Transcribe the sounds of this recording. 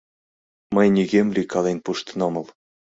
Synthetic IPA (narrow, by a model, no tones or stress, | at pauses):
mɤ̆jnʲiɡʲemʲlʲikɑlˠenpuʃt̪ɤnɤ̆mɤ̆lˠ